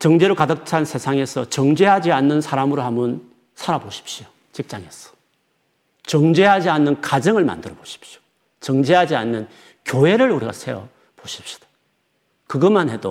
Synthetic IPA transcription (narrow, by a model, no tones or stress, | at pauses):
t͡ɕʌŋd͡ʑeɾoɭkadɯk̚t͡ɕʰansʰe̞sʰaŋe̞sʰʌt͡ɕʌŋd͡ʑeɦad͡ʑianːɯnsʰaɾamɯɾohamun | sʰaɾaboɕʰi̥p̚ɕ͈io | t͡ɕik̚t͡ɕ͈aŋe̞sʰʌ̥ | t͡ɕʌŋd͡ʑe̞ɦad͡ʑianːɯnkad͡ʑɯŋɯɭma̰ndɯɾʌboɕʰi̥p̚ɕio̥ | t͡ɕʌŋd͡ʑeɦad͡ʑia̰nːɯn | kjoɦe̞ɾɯɭuɾiɡa̰sʰe̞ʌ̰ | b̥oɕʰi̥p̚ɕi̥d̥ḁ | kɯɡʌmanɦe̞do